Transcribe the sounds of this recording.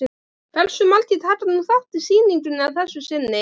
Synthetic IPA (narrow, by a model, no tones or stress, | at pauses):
fɛlsʏmalt̪ʰit̪ʰaːt̪anuθaht̪ɪ̥siːniŋkʏnɪavθɛsːʏsɪnːɪ